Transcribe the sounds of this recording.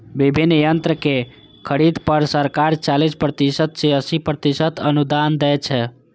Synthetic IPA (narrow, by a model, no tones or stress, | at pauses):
bibʱinːjənt̪ɾəke | kʰəɾid̪pəɾsəɾkaɾt͡ʃalispɾət̪isət̪seəsipɾət̪isət̪ənud̪and̪ɛt͡ʃʰɛ